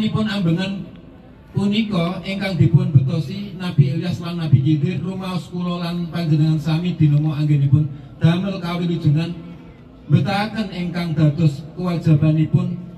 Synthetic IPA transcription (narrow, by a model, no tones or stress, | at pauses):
nipʊnambəŋan | punikɔʔiŋkaŋd̪̥i̤pʊnb̥ə̤t̪ɔsinab̥ieliaslaŋnab̥ikid̪ɪrlumaɔskuɾɔlanpaɲd͡ʒənəŋansamid̪̥i̤nɔmɔaŋɡɛnipʊn | d̪̥a̤mərkawilud̥ʒ̥ṳŋan | mbət̪akənɪŋkaŋd̪̥a̤t̪ɔskəwad̥ʒ̥ä̤b̥a̤nipʊn